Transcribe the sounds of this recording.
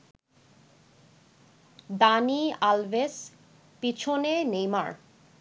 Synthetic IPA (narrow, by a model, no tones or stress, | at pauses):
d̪anialves | pit͡ɕʰonenejma̰ɾ